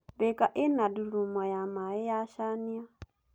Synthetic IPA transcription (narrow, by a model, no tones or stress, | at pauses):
βekaʔenaduɾumajamaɛjaʃania